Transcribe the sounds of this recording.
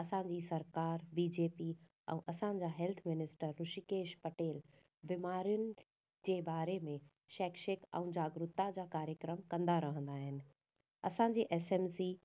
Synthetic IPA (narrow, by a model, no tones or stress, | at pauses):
ɐsãɲ̆d͡ʑisɐɾkaːɾbiːd͡ʑeːpi | ɛ̰̃ʔɐsãd͡ʑaːɦɛlt̪ʰmɪnɪsʈəɾːʊʃikeːʃpɐʈeːl | bɪmaːɾijʊnɪ̆ | d͡ʑeːbaːɾemẽ | ʃɛːkʃəkɛ̰̃ũd͡ʑaːɡɾʊt̪ːad͡ʑaːkaːɾjəkɾəmkɐ̃nd̪aɾɐɦə̃nd̪aːɦɪnɪ̆ | ɐsãɲd͡ʑiːʔɛsɛmsi